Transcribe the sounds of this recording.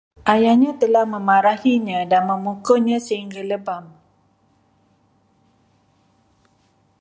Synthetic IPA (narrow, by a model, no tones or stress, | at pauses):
ʔajahɲãt̪əlahmə̃maɾahiɲãdanmə̃mukɔɲãsəɦiŋɡaləbam